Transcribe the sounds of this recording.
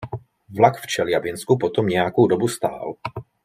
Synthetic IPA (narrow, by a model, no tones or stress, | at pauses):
vlakft͡ʃɛlɪjabɪnskupɔt̪ɔmɲɛjakudɔbust̪a̰ːl